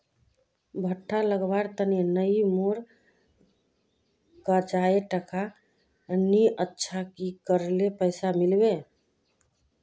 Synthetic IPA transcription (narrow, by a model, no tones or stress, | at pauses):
bʱəʈʰːaləɡbaɾt̪ənjenəimoɾ | kəd͡ʒaeʈəkʰa | niətːʃʰakikəɾlepəɪsamilbe